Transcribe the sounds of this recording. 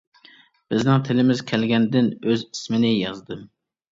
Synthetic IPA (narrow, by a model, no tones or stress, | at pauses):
b̥ɪznɪŋt̪ʰɪlɪmɪzkʲʰɛlɡʲɛnd̪ɪnøzismɪnɪjɑzd̪ɨm